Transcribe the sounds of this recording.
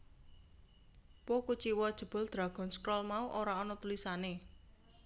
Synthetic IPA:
pokut͡ʃiwɔd̥ʒ̥ə̤b̥ɔ̤ld̪̥ɾa̤ɡ̥ɔ̤nskɾɔlmauʔoɾaɔnɔt̪ulisane

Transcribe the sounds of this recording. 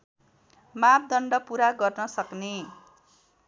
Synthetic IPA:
map̚d̪ʌɳɖʌpuɾaɡʌrnʌsʌkne

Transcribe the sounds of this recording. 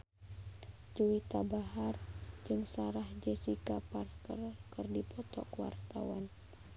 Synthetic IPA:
d͡ʒuwit̪abaɦard͡ʒɨŋsaɾahd͡ʒɛsikaparkərkɨrdipɔt̪ɔ̰kwa̰rt̪awan

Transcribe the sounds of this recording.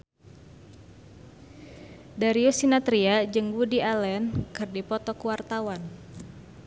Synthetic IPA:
daɾiosinat̪ɾiad͡ʒəŋɡudialɛnkɨrdipɔt̪ɔkuwart̪awan

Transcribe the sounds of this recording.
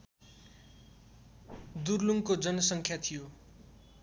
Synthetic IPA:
d̪urluŋkod͡zʌnʌsʌŋkʰjat̪ʰijo

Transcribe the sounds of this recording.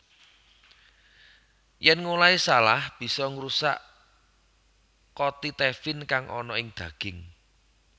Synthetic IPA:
jɛnŋolaisalahb̥i̤sɔŋɾusa̰ʔ | kɔt̪it̪ɛfɪnkaŋʔɔ̰nɔɪŋd̪̥ä̤ɡ̥ɪ̤ŋ

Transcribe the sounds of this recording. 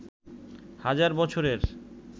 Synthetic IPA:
had͡ʑaɾbɔt͡ɕʰoɾeɾ

